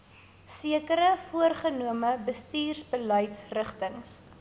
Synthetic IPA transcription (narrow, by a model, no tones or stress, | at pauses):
siəkəɾəfuərχənuəməbəstiːrsbələjtsrəχtəŋs